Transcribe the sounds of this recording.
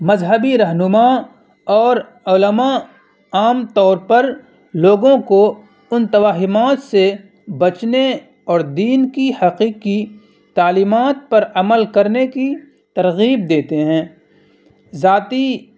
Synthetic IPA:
mɐzɦəbiɾɐɦnʊma | ɔːɾ | ʊləma | aːmt̪ɔːɾpɐɾ | loːɡõko | ʊnt̪ɐʋaːɦɪmaːt̪se | bɐt͡ʃne | ɔːɾd̪iːnkihɐqiːqi | t̪aːliːmaːt̪̚pɐɾɐməlkɐɾneki | t̪ɐɾɣiːb̚d̪eːt̪eɦɛ̃ː | zaːt̪i

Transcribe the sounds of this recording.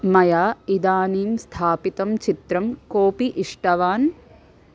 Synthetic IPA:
mɐjaːid̪aːniːmst̪ʰaːpit̪ɐmt͡ʃit̪ɾɐmkoːpiʔiʂʈɐʋaːn

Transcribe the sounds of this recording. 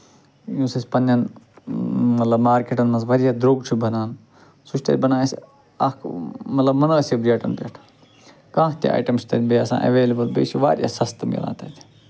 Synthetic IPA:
jũːsɐsʲpɐnːɐn | mɐt̪lɐbmaːɾkeʈɐnmɐnzʋɐɾijaːd̪ɾoːɡt͡ʃʰubɐnaːn | suʃʲt̪ɐ̰lʲbɐnãːsʲ | ɐkmɐt̪lɐbmɐnəːsibɾijaːʈɐ̰npʲɐʈʰː | kãːkʰt̪ḭa̰ːʈɐmsʲt̪ɐnʲbeːɐsã̰ːʔɐ̰ʋeːlɐbɐlbḛːʃiʋa̰ːɾʲja̰sɐst̪mḭla̰ːt̪ɐt̪ʰ

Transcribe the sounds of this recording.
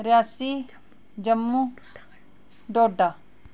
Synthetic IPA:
ɾjaːsi | d͡ʒɐmːu | ɖoːɖa

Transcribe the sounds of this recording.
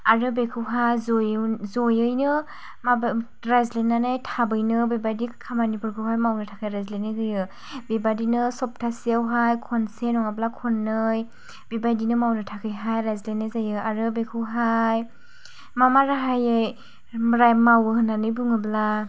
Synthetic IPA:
aɾɯbekʰɯwɦajzojzojɯjnɯ | ma | ɾajzlenːanajtʰabɯjnɯbebajdikʰamanipɯɾkʰɯwɦajmawnɯtʰakʰajɾajzlenɯjɡɯjɯ | bebadinɯsɔp̚tʰasiawɦajkʰɔnsenɔŋablakʰɔnːɯj | bebajdinɯmawnɯtʰakʰɯjɦajɾajzlenːɯzajɯaɾɯbekʰɯwɦaj | mamaɾaɦajej | ɾamawɯhɯnːanɯjbɯŋɯbla

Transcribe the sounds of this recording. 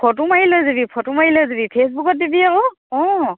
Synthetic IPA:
pʰɔtumailɔjzebipʰɔtumaɦilɔjzebipʰesbukɔt̚dibiaʊ | ɔ̃

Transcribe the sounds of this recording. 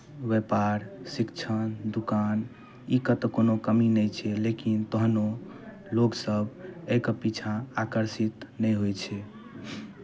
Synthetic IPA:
ʋepaɾsikt͡ʃʰənd̪ukan | ikət̪konokəminəjt͡ʃʰɛlekint̪əɦno | loɡsəbekəpit͡ʃʰãakəɾsit̪nɛjɦojt͡ʃʰɛ

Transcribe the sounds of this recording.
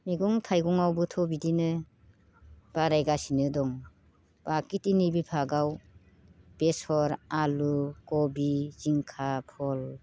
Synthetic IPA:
miɡuŋtʰajɡɔŋawbɯtʰɔbidinɯ | b̥aɾajɡasinɯdɔŋ | b̥akitinibipʰaɡaw | b̥esɔɾalukɔbiziŋkʰapʰɔl

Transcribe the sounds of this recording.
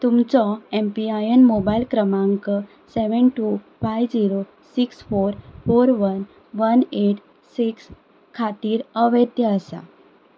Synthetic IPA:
t̪umt͡sɔempiajənmobajlkɾəmãŋkə | sɛʋənʈu | fajʋd͡ʑiɾo | siksfoɾfoɾʋən | ʋəneʈ | siks | kʰat̪iːɾəʋəd̪jəəsa̰

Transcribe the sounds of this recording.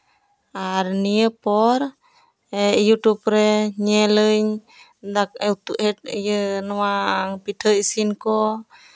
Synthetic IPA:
aɾniəpɔɾ | ejut̪up̚ɾɛɲɛləɲ | dak̚ɛut̪uʔhɛt̪̚ijənwaŋpit̪ʰəisinkɔ

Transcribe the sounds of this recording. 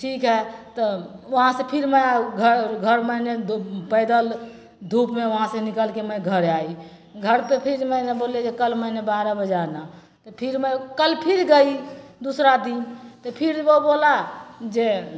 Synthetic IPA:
ʈʰikɦɛt̪ɔoɦãsẽpʰiɾməjaɡʱəɡʱəɾməjnepəɪd̪əl | d̪ʱupmeoɦãsẽnikəlkeməɡʱəɾai | ɡʱəɾpepʰiɾməneboled͡ʒekəlmənebaɾəbəd͡ʒana | t̪ɔpʰiɾməjkəlpʰiɾɡəid̪usɾad̪int̪ɔpʰiɾbobolad͡ʒe

